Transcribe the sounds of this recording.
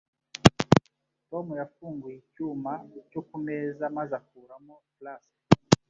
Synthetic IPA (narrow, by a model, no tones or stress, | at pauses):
tɔmɔjafuŋɡwicumaucɔkumɛzamazakuɾamɔplasḁ